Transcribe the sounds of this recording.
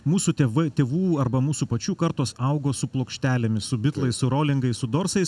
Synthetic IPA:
muːsuːt̪ʲʋɐt̪ʲeːʋuːɐɾbɐmuːsuːpɐt͡ʃʲuːkɐɾt̪oːsɐʊɡoːsʊplˠoːkʃʲt̪ʲæːlʲemʲɪssʊbʲɪt̪lˠɐɪssʊɾoːlʲɪŋɡɐɪssʊd̪oːɾsɐɪs

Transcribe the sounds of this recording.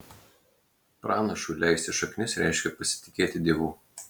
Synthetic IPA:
pɾɑːnɐʃʊːˑlʲæˑɪsʲt̪ʲɪʃɐknʲɪsɾʲæɪʃʲkʲɛpɐsʲɪ̥t̪ʲɪ̥kʲeːt̪ʲɪd̪ʲiɛʋuː

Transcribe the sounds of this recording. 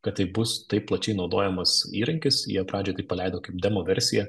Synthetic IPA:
kɐt̪t̪ɐɪbʊst̪ɐɪpplˠɐt͡ʃʲɛɪnɒʊd̪oːjɛmɐsiːɾɐŋʲkʲɪsjḭɛpɾɑːd͡ʒʲoːt̪ɐɪpɐlʲɛɪd̪oːkɐɪp̚d̪ʲɛmoːʋʲɛɾʲsʲɪjɛ

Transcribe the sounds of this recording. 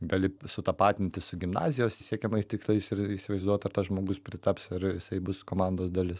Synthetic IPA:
ɡɐlʲɪsʊt̪ɐpɑːt̪ʲɪmʲt̪ʲɪsʊɡʲɪmnɑ̰ːzʲɪjoːssʲiɛkʲɛmɐɪst̪ʲɪkslˠɐɪsɪɾiːsʲɪʋɐɪzd̪uɔt̪ɐɾt̪ɐsʒmoːɡʊspʲɾʲɪt̪ɐpsɪɾjɪsɐɪbʊskoːmɑnd̪oːsd̪ɐlʲɪs

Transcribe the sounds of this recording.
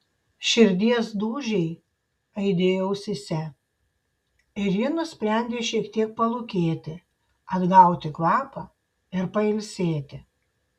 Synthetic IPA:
ʃʲɪɾʲd̪ʲiɛsd̪uːʒʲɛɪ | ɐɪd̪ʲeːjoʊsʲɪsʲɛ | ɪɾjinʊsʲpʲɾʲɛˑnʲd̪ʲeːʃʲiɛkt̪ʲiɛk̚pɐlˠʊkʲeːt̪ʲɪ | ɐd̪ɡɐˑʊt̪ʲɪkʋɑːpɑ | ɪɾpɐɪlʲsʲeːt̪ʲɪ

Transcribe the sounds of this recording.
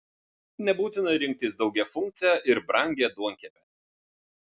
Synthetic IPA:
nʲɛbuːt̪ʲɪnɐɾʲɪŋʲk̚t̪ʲɪsd̪ɒʊɡʲɛfʊŋʲkt̪sʲɪjɛʔɪɾbɾɐŋʲɡʲɛd̪uɔŋʲkʲɛpʲɛ

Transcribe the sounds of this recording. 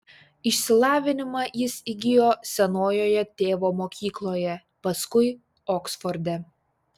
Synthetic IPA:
ɪʃʲsʲɪlˠɑːʋʲɪnʲɪmɑjɪsiɡʲɪjoːsʲɛnoːjoːjɛt̪ʲeːʋoːmoːkʲiːklˠoːjɛ | pɐskʊɪ | oːksfɔɾʲd̪ʲɛ

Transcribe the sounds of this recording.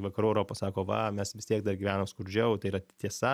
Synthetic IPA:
ʋɐkɐɾuːɛɾoːpoːsɑːkoːʋɐ̰mʲɛsʋʲɪst̪ʲiɛk̚d̪ɐrɡʲiʋʲæːnoːmskʊɾʲd͡ʒʲɛʊt̪ɐɪɾɐt̪ʲiɛsɐ

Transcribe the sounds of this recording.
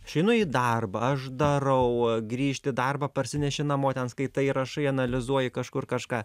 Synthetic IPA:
ʃʲɛɪnʊiːd̪ɐrbɐɐʃd̪ɐɾɐʊɡɾʲiːʃʲt̪ʲɪd̪ɐrbɐpɐɾʲsʲɪnʲɛʃʲɪnɐmoːt̪ʲɛnskɐɪt̪ɐɪɾɐʃɐɪɐnɐlʲɪzuɔjɪkɐʃkʊrkɐʃkɑː

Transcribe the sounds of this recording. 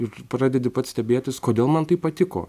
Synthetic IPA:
ɪɾpɾɑːd̪ʲɛd̪ʲɪpɐt̪sʲt̪ʲɛbʲeːt̪ʲɪskoːd̪ʲeːlˠmɐnt̪ɐɪppɐt̪ʲɪko̰ː

